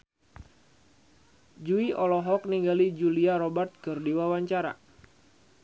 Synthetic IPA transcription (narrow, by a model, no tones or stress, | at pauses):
d͡ʒuiʔɔlɔɦɔk̚niŋɡalid͡ʒuliaɾobərt̪̚kɨrdiwawaɲt͡ʃaɾa̰